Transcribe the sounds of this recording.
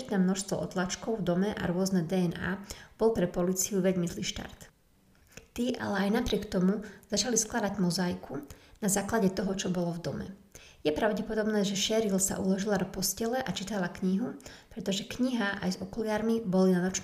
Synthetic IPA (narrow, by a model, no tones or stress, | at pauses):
t̪nɛːmnɔʃst̪ʋɔ̰ʔɔ̰t̪lat͡ʃkɔʊvd̪ɔmɛʔa̰ɾʊɔznɛd̪ɛɛna̰ːb̥ɔlpɾɛpɔliːt͡siuʋɛɟmizliʃt̪a̰ɾt̪ | t̪iːʔa̰lɛajnapɾɪɛkt̪ɔmuz̥at͡ʃalisklad̪aɟmɔzajkʰunazaːklaɟɛt̪ɔɦɔt͡ʃɔbɔlɔvd̪ɔmɛ̰jɛpɾaʊɟɛpɔd̪ɔbnɛːʒɛʃɛɾilsa̰ʔulɔʒilad̪ɔpɔscɛlɛʔat͡ʃit̪alakɲiɦupɾɛt̪ɔʒɛkɲiɦaʔa̰jzɔkɔlɪaːɾmibɔlinanɔt͡ʃn